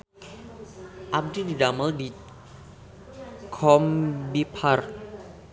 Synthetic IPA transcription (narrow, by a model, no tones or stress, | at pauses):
ʔap̚dididaməldi | kʰɔmbipʰar